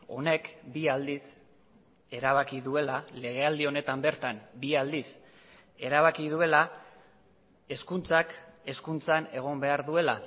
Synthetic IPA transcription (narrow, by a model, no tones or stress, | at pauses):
o̞̰ne̞kbiald̪is | e̞ɾaβ̞akiðue̞lale̞ɣ̞e̞ald̪io̞ne̞t̪ambe̞ɾt̪anbiald̪is | e̞ɾaβakið̞ue̞la | e̞skunt͡sake̞skunt͡sane̞ɣ̞o̞mbe̞aɾðue̞la